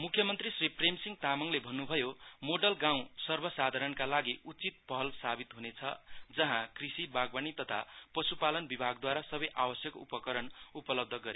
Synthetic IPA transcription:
mukʰjʌmʌnt̪risripremsiŋt̪amʌŋlebʱʌnːubʱʌjomoɖʌlɡãw̃sʌrbʱʌsad̪ʱaɾʌnkalaɡiut͡sit̪̚pʌɦʌlsabit̪ɦunet͡sʰʌ̰d͡zʌɦãkrisibaɡbanit̪ʌt̪ʰa̰pʌsupalʌnbibʱaɡ̚d̪waɾasʌbʌjʔawʌsjʌkupʌkʌɾʌnupʌlʌb̚d̪ʱʌɡʌɾe

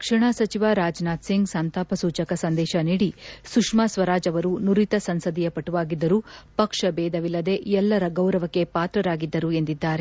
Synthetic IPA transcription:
kʂɐɳasɐt͡ʃiʋaɾaːd͡ʒnaːt̪siŋɡsaːnt̪aːpɐsuːt͡ʃɐkɐsɐnd̪ɛːʃɐniːɽisukʂmaːsʋɐɾaːd͡ʒɐʋɐɾunuɾit̪ɐsɐnsɐd̪ijɐpɐʈːuʋaːɡid̪ːɐɾupɐkʂɐbɛːd̪ɐʋilːɐd̪e̞ʔɛlːɐɾɐɡɐwɾɐʋɐkːe̞paːt̪ɾɐɾaːɡid̪ːɐɾue̞nd̪id̪ːaːɾe

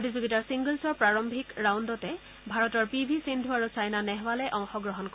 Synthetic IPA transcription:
potizoɡitaɹsiŋɡəlsɔɹpɹaɹɔmbʱikɹawndɔtɛ | bʱaɹɔtɔɹpibʱisindʱuaɹusajnanɛɦwalɛʔɔŋxɔɡɹɔɦɔnkɔ

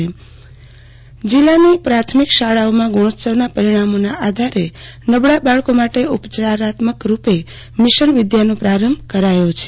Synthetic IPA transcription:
d͡ʒilːanipɾat̪ʰmikʃaɭaomãɡuɽ̃ot̪səʋnapəɾiɽ̃amonaʔad̪ʱaɾenəbɭabaɭkomaʈeupt͡ʃaɾat̪məkɾupe | mɪʃənʋɪd̪janõpɾaɾəmbʱkəɾajot͡ʃʰe

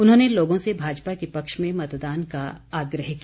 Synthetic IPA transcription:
ʊnɦõːneloːɡõsebʱaːd͡ʒpakepɐkʃmẽmɐt̪d̪aːnkaaːɡɾəɦki

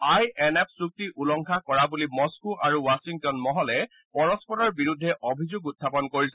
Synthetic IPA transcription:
ajɛnɛp̚suk̚tiʔulɔŋkʰakɔɹabulimɔskuʔaɹuwasiŋk̚tɔnmɔɦɔlɛ | pɔɹɔspɔɾɔɹbiɹudʱːɛʔobʱizʊɡut̚ʰːapɔnkoɹisɛ

